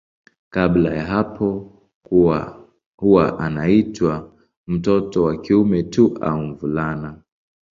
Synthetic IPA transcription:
kablajaɦapʰɔ | huwaʔanaitwa | m̩tɔtɔwakiumɛtuʔa̰uɱvulana

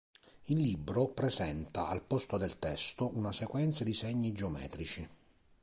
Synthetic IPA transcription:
ilːibɾopɾɛzɛnt̪aalpɔst̪od̪elt̪ɛst̪ounasekwɛnt̪sad̪isɛɲːid͡ʒeomɛ̰ːt̪ɾit͡ʃi

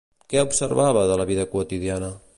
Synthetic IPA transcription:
kɛupsəɾβaβəðələβiðəkuət̪iðianə

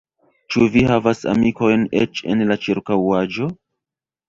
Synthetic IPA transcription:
t͡ʃuvihavasa̰miko̞jnḛt͡ʃe̞̰nlat͡ʃiɾkawad͡ʒo̞

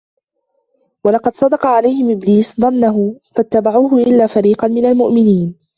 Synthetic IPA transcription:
wɑlɑqɑd̪sˤɑd̪ɑqɑʕalajhɪmʔɪbliːsðˤɑnːaɦʊfat̪ːabaʕuːɦʊʔɪlːaːfaɾiːqɑnmɪnalmʊʔmɪniːn

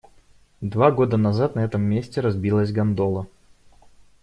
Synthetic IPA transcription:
d̪vaɡo̞d̪ənɐzat̪nɐɛt̪əmːʲesʲtʲɪɾɐzbʲilˠəsʲɡɐnd̪olˠə

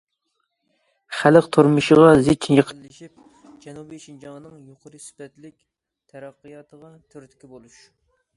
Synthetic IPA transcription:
χæləqt̪ʰoɾmɨʃəʁɑzet̪̚t͡ʃʰinjəqʰt̪lɪʃip̚ | d͡ʒɛnubijʃind͡ʒɑŋnɨŋjoqʰʊɾɨspɛt̪lɪkʲ | t̪ʰɛɾɑqːɨjɑt̪ʰəʁɑt̪ʰøɾt̪kʲibolˠuʃ

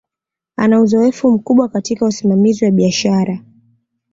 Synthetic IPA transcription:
anauzɔɛfum̩kuɓwakatikausimamiziwaɓiaʃaɾa

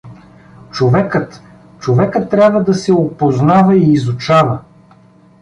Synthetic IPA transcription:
t͡ʃovɛkət̪ | t͡ʃovɛkət̪ːɾʲjabvəd̪ɐsɛopoznavɐiːzut͡ʃavɐ

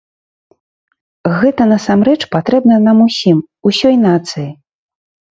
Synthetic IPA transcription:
ɣɛt̪ɐnɐsamɾɛt͡ʂpat̪ɾɛbnɐnamusʲim | usʲɔjn̪at̪sɨji

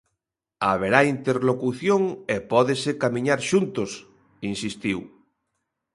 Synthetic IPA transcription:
aβeɾaint̪eɾlokuθjoŋepɔðesekamiɲaɾʃunt̪os | insist̪iw

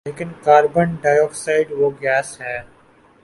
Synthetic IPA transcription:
leːkɪnkaːɾbənɖaːjɔːksaːɪɖʋoɡɛːsɦɛː

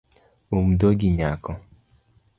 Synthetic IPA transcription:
omdoɡiɲakɔ

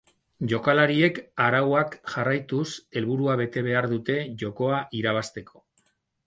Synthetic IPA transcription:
ʝo̞kalaɾie̞kaɾawakʝarajt̪use̞lβuɾuaβ̞e̞t̪e̞βe̞aɾðut̪e̞ʝo̞ko̞aʔiɾaβ̞ast̪e̞kʰo̞̥

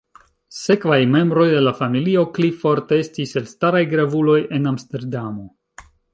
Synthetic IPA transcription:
se̞kvajme̞mbɾo̞jde̞lafamilio̞klifo̞ɾtee̞stise̞lstaɾajɡɾavulo̞je̞namste̞ɾdamo̞

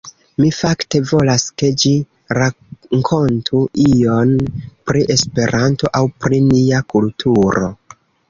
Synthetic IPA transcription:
mifakte̞vo̞laske̞d͡ʒi | ɾa | ŋkʰo̞ntʰuio̞npɾiʔe̞spe̞ɾʔanto̞ʔawpɾiniakultʰuɾo̞̰

